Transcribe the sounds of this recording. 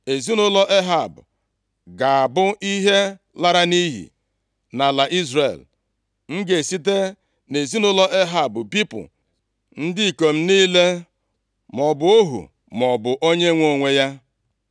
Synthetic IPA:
e˨zi˦nʊ˦lɔ˦ʔe˦ɦa˨bʊ̰˨ | ɡa˨a˨bʊ˦ʔi˦ɦe˦ | la˦ɾa˦ni˦ɦḭ˨ | na˨la˨ʔi˦zɾḛ˨l | ŋ̩˦ɡe˨si˦t̬e˦ | ne˨zi˦nʊ˦lɔ˦ʔe˦ɦa˨bʊ˨pi˦pʊ̰˨ | n̩˦dɪ˦i˨ko˨m̩˦niː˦le˦ | mɔ˨bʊ˨o˦ɦṵ˨ | m˨ɔ˨bʊ˨ʔo˦ɲe˦ŋʷo˦˨ŋʷe˦ja˦

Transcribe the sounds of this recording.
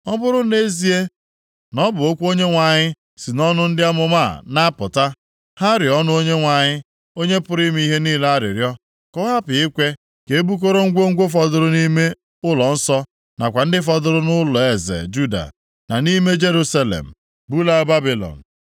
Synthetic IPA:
ɔ˦bʊ˦ɾʊ˦ne˦zi˦e˦ | nɔ˦bʊ˨o˦kʷo˦ɲe˦ŋʷa˨ɲɪ˦ | si˨nɔ˦nʊ˦n̩˦dɪ˦a˦mʊ˨ma˦˨na˦pʊ˨ta˦ | ha˦ɾɪ˨ɔ˦nʊ˦o˦ɲe˦ŋʷa˨ɲɪ˦ | o˦ɲe˦pʊ˦ɾi˦m˦i˦ɦe˦niː˦la˦ɾɪ̰˨ɾjɔ˦ | kɔ˦a˦pɪ˨ɪ˦kʷe˦ | ke˨˦bu˦k̬o˦ɾo˦ŋ̩˦ɡʷo˦ŋ̩˦ɡʷo˦fɔ˨dʊ˨ɾʊ˦ni˦me˦ | ʊ˦lɔ˨n̩˦sɔ˦ | na˨kʷa˨n̩˦dɪ˦fɔ˦dʊ˦ɾʊ˦nʊ˦lɔ˨e˨zḛ˨d͡ʒu˦da̰˨ | na˨ni˦me˦d͡ʒe˦ɾu˦sa˦lḛ˨m̩˨ | bu˦la˦ba˦bi˨lɔ̰˨n̩˨

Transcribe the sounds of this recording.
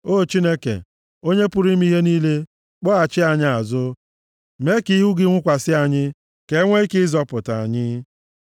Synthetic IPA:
o˦˨t͡ʃi˦ne˦kḛ˨ | o˦ɲe˦pʊ˦ɾi˦m˦i˦ɦe˦niː˦le˦ | k͡pɔ˦a˨t͡ʃɪ˦a˨ɲɪ˦a˨zʊ˦ | me˦ki˦ɦu˦ɡɪ˦ŋʷʊ˦kʷa˨sɪ˦a˨ɲɪ˦ | ke˨˦ŋʷe˦i˦kɪ˦zɔ˦pʊ˨ta˨a̰˨ɲɪ˦

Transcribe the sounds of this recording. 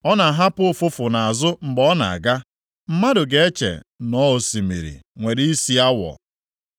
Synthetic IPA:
ɔ˦na˨ɦa˦pʊ˦fʊ˦fʊ˨na˨a˨zʊ˦m̩˨ɡ͡bɔ˦na̰˨a̰˨ɡa˦ | m̩˦ma˦dʊ˨ɡe˨e˦t͡ʃḛ˨nɔ˦o˨si˨mḭ˨ɾḭ˨ŋʷe˨ɾi˦i˦si˦a˦wɔ̰˨

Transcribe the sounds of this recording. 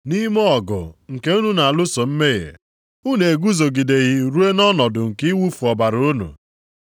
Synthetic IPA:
ni˦mɔ˦ɔ˨ɡʊ̰˨ŋ̩˨ke˦u˦nu˦na˨a˨lʊ˦so˨m̩˦me˦ɣḛ˨ | u˦ne˨ɡu˦zo˨ɡi˨de˨ɣi˦ɾu˦e˦nɔ˦nɔ˨dʊ˨ŋ̩˨ki˦wu˦fu˨ɔ˨ba˨ɾʊ˨˦nṵ˨

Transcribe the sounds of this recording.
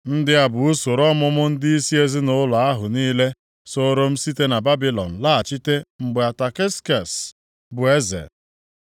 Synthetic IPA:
n̩˦dɪ˦a˨bʊ˨u˦so˨ɾɔ˦mʊ˦mʊ˦n̩˦dɪ˦i˦si˦e˦zɪ˦nʊ˦lɔ˨a˦ɦʊ˨niː˦le˦ | so˦ɾo˦m̩˦si˦te˦na˨ba˦bi˦lɔ̰˨n̩˨la˦a˨t͡ʃi˦te˦ŋ͡m̩˨ɡ͡be˨a˨ta˨kɪ˦ska˨s | bʊ˨e˦zḛ˨

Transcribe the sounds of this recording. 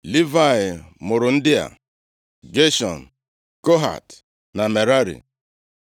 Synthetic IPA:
li˦va˨ɪ˨mʊ˨ɾʊ˨n̩˦dɪ˦a̰˨ | ɡe˦ʃɔ̰˨n̩˨ | ko˦ɦa̰˨t | na˨me˨ɾa˦ɾḭ˨

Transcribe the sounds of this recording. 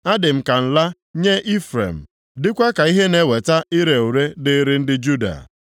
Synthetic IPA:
a˦dɪ˨m̩˨ka˨n̩˨la˦ | ɲe˦ʔi˦fɾḛ˨m̩˨ | dɪ˦kʷa˦ka˨i˦ɦe˦ne˦we˨ta˦ɪ˦ɾe˨u˨ɾe˦dɪ˦ɾɪ˦n̩˦dɪ˦d͡ʒu˦da̰˨

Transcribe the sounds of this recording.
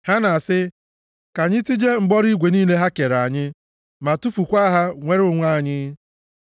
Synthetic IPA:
ha˦na˨sɪ˦ | ka˨ɲɪ˦ti˦d͡ʒe˦ŋ͡m̩˨ɡ͡bɔ˦ɾi˦ɡʷe˨niː˦le˦ɦa˦ke˨ɾa˨ɲɪ˦ | ma˨tu˦fu˨kʷa˦ɦa˦ŋʷe˦ɾʊ˦ŋʷa˦˨ɲɪ˦

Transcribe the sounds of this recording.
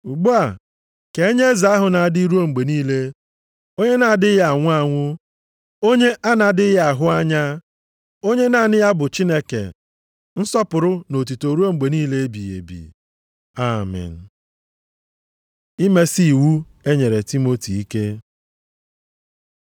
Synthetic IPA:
u˨ɡ͡bu˦a˨ | ke˨e˦ɲe˦za˨˦a˦ɦʊ˨na˨a˨dɪ˦ɾu˦o˦ŋ͡m̩˨ɡ͡be˨niː˦le˦ | o˦ɲe˦na˨a˨dɪ˦ja˦˨a˨ŋʷʊ˦a˦ŋʷʊ˦ | o˦ɲe˦ʔa˦na˨dɪ˦ja˦˨a˨ɦʊ˦a˦ɲa˦ | o˦ɲe˦na˨nɪ˦ja˦bʊ˨t͡ʃi˦ne˦kḛ˨ | n̩˦sɔ˦pʊ˨ɾʊ˦no˨t̬u˨to˨ɾu˦o˦ŋ͡m̩˨ɡ͡be˨niː˦le˦e˦bi˨jḛ˨bḭ˨ | a˦˨mɪ̰˨n̩˨ | i˦me˦si˦i˨wu˦ | e˦ɲe˨ɾe˨ti˦mo˦ti˨i˦ke˦

